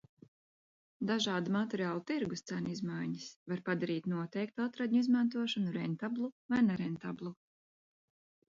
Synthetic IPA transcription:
d̪aʒɑːd̪umat̪ɛɾiaːlˠut̪iɾɡust̪sænizmajɲisvaɾpad̪aɾiːt̪nuɔt̪ɛjk̚t̪at̪ɾad̪ʲɲuizmant̪̬uɔʃɔnuɾɛnt̪ablˠuvajnɛɾɛnt̪ablˠu

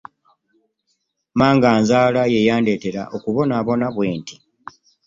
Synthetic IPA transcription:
maːŋɡaːnzaːlaje̞jaːnde̞ːte̞ɾa̰ʔo̞kuβo̞naːβo̞naβwe̞ːntʰi̥

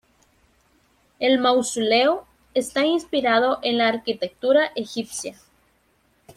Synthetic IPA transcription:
e̞lmawsuleo | e̞st̪ainspiɾaðo̞ʔe̞nlaːɾkit̪e̞k̚t̪uɾaʔexipsja

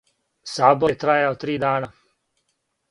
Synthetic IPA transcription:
saːbɔɛt̪ɾaːjaot̪ɾiːd̪aːna

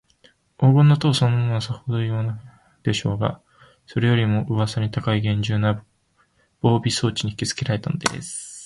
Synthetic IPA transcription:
o̞ːɡõ̞nːat̪oːsonːamonasahod̪o̞iβana | d̪̥e̞ɕo̞ːɡa̰ | so̞ɾe̞jo̞ɾʲimo̞ʔɯ̟βasaɲ̟it̪akaiɡẽ̞ɲ̟d͡ʑɨːna | b̥o̞ːbʲiso̞ːt͡ɕiɲ̟ii̥kʲit͡sɨ̥kʲeɾaɾe̞t̪ano̞d̪ḛd̪ḛsɨ̥

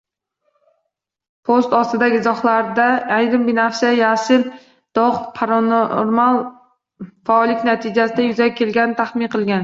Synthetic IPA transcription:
pʰost̪ɒst̪ɪd̪aɡʲɪzɒχlˠaɾd̪aːjɾɪmbɪnafsajasɪl | d̪̥ɒʁpʰaɾanoɾmalˠ | faɒlɪkʲnat̪ʰɪd͡ʒasɪd̪ajʊzakʲʰːe̞lɡʲanɪt̪ʰaχmɪnqʰɨlˠɡʲan

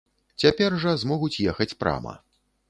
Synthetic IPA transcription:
t͡sʲapʲɛrʐɐzmɔɣut͡sʲjɛxɐt͡sʲpɾa̰mɐ̰

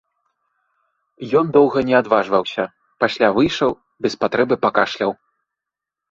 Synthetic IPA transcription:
jɔnd̪ɔwɣɐnʲɛad̪vaʐvɐwsʲɐ | pasʲlʲavɨjʂɐw | bʲɛspat̪ɾɛbɨpakaʂlʲɐw

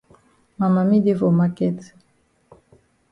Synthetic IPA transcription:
mamamid̪evomakɛt̪

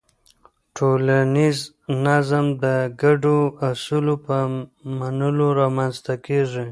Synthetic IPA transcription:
ʈʰolaniz | nazamd̪əɡaɖoasulopəmanəloɾɑmanzt̪akeʐi

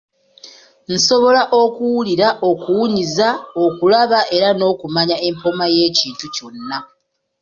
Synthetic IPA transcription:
n̩so̞βo̞laʔo̞kuwuliɾaʔo̞kuwuɲizaokulaβaʔe̞ɾano̞ːkumaɲae̞mpo̞maje̞ːciːntuco̞nːa

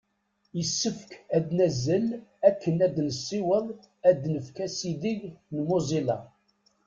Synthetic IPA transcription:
jəsːəfkæd̪næzːəlækːənæd̪nəsːiwəðˤ | æd̪nəfkæsiðiʝnmuzˤilɑ̰

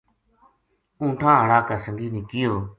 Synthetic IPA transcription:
ũːʈʰãːɦəɽaːkaːsəŋɡiːnɪkɪːjoː

